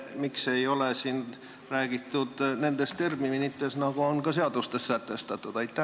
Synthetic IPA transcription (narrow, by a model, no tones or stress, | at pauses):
miksejo̞lesiːn | ræːɡ̥it̪ːud̪ne̞nd̪est̪e̞rmiminit̪ːesnɑɡoonkɑse̞ɑd̪̥ust̪essæt̪ːest̪ɑt̪ːˑut̪ɑjt̪ːˑæ